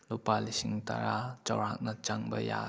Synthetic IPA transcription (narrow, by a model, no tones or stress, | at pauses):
lupalisiŋta̰ɾat͡ʃawɾhak̚nɐt͡ʃaŋbɐja̰